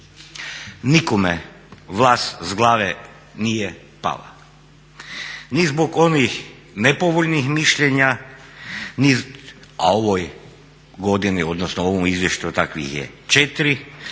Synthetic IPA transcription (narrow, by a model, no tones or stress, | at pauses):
nikome | ʋlˠaːst̪zɡlˠaːʋe | nije | pa̰la̰ | nizboɡo̞nix | nepoʋoʎnixmiʃʎeɲa | nia̰o̞ʋoj | ɡo̞d̪inio̞d̪nosnoo̞ʋomizʋjeʃt͡ɕut̪akʋḭxjḛt͡ʃet̪iɾi